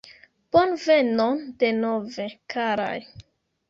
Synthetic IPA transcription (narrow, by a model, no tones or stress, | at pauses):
b̥onvenondenovekʰaɾa̰j